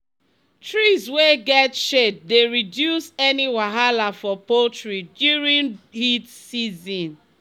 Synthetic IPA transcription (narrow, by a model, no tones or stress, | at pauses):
tɹizweɡɛtʃet̚deɹidjusɛniwaɦalafɔpotɹidjuɹĩnhitsizɔ̃n